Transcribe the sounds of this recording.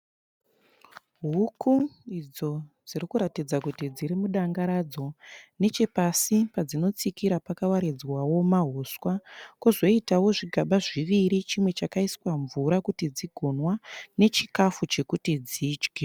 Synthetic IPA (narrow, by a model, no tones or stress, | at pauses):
ɦukʰuid͡zo̞d͡ziɾikuɾatid͡zakutid͡ziɾimuɗaŋɡaɾad͡zo̞ne̞t͡ʃe̞pasipad͡zino̞t͡sikiɾapakawaɾed͡zwawo̞maɦoswakuzo̞itawo̞ʐiɡʱaɓaʐiʋiɾit͡ʃimwe̞t͡ʃakaiswaɱvuɾakutid͡ziɡʱo̞nwane̞t͡ʃikafut͡ʃe̞kutid͡ziːd͡ʒɡʱe